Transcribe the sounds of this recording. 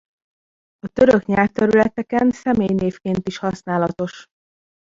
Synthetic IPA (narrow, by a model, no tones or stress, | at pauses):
ɒt̪øɾøkɲaːrt̪ɛɾylɛt̪ɛkɛnsɛmeːjneːfkeːnt̪iʃhɒsnaːlɒt̪o̞ʃ